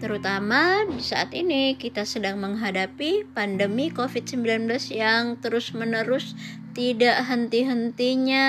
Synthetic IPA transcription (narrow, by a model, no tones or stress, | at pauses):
t̪əɾut̪amadisaʔat̪inikit̪asədaŋməŋɦadapipandəmikofɪt̪̚səmbilanblasjaŋt̪əɾʊsmənəɾʊst̪idaʔɦənt̪iɦənt̪iɲa